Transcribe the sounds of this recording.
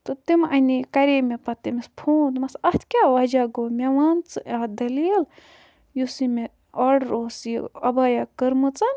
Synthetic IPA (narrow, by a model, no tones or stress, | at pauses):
t̪ɨt̪imɐnikɐɾemepɐt̪imispʰoːnmɐsɐht̪ʰkʲaʋɐd͡ʒaɡomʲeʋant͡sɨad̪ɐlil | jusime | ɐɖɾoːsjiɐbajakəɾmɨt͡sɐn